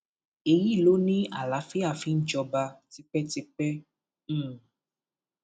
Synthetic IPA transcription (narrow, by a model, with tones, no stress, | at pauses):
e˨ji˦˨lo˨˦nĩ˦a̰˨la˨˦fi˦a˨fi˨˦n̩˦d͡ʒɔ˧ba˧ti˦k͡pɛ˦ti˧k͡pɛ̃˦